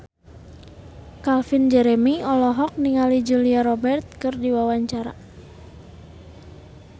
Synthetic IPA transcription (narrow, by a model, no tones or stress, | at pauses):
kalfind͡ʒɛɾɛmiɔlɔɦɔk̚niŋalid͡ʒuliaɾɔbɛrt̪̚kɨrdiwawaɲt͡ʃaɾa̰